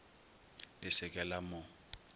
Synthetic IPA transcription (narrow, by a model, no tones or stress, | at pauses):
bʼɪsɪkʼɛlamʊ